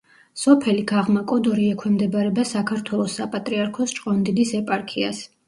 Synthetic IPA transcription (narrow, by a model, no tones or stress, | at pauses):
sɔpʰɛliɡ̥aʁmakʼɔd̪ɔɾiɛkʰwɛmd̪ɛbaɾɛbasakʰaɾt̪ʰwɛlˠɔsːapʼat̪ʼɾiaɾkʰɔst͡ʃʼqʼɔnd̪ilisɛpʼaɾkʰia̰s